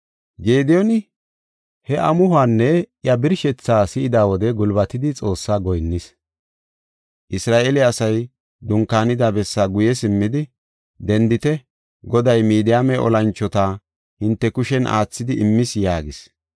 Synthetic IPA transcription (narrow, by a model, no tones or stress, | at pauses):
ɡeːd̪ɛjɔnɪ | hɛʔɐmʊhʊaːnːɛjɐbɪɾʃɛt͡sːaːsɪʔɪd̪aːwɔd̪ɛɡʊlbɐt̪ɪd̪ɪt͡sʼo̞ːsːaːɡɔjnːɪs | ʔɪsɾaːʔelɪɐsɐj | d̪ʊŋkaːnɪd̪abɛsːaɡʊjɛsɪmːɪd̪ɪ | d̪ɛnd̪ɪt̪ɛ | ɡɔd̪ɐjmiːd̪ɪjaːmɛʔɔ̰lɐnt͡ʃːɔt̪a | hɪnt̪ːɛkʊʃɛnʔa̰ːt͡sːɪd̪ɪʔɪmːɪsjaːɡɪs